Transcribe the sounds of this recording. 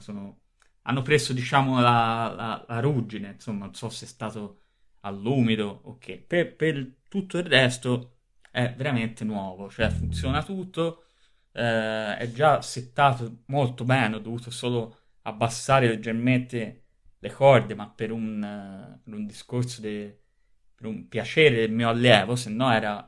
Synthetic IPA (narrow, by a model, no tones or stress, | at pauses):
soːno | a̰nːopɾesod̪it͡ʃaːmolala̰laɾud͡ʒinensomːanonsɔseɛst̪aːt̪o | alːuːmid̪ook̟ːepepet̪ut̪ːoirːɛst̪o | ɛveɾament̪enwɔːvot͡ʃoɛfunt̪sjɔːnat̪ut̪ːo | ɛɛ̰d͡ʒaset̪ːaːt̪omolt̪obɛːnɔd̪ːovuːt̪osoːlo | a̰bːasːaːɾeled͡ʒeɾment̪e | lekɔrd̪emapːeɾunpeɾund̪iskoɾsod̪e | peɾumpjat͡ʃɛːɾed̪elmiːoalːjɛːvosenːɔɛːɾa